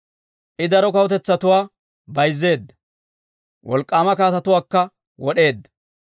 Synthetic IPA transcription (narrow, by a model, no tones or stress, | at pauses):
ʔɪd̪ɐɾɔkɐwɔt̪ɛt͡sːɐt̪ʊwaː | bɐjzːe̞ːd̪ːɐ̥ | wʔɔ̰lkʼːaːmɐkaːt̪ɐt̪ʊwaːkːɐ | wɔɗe̞ːd̪ːɐ̥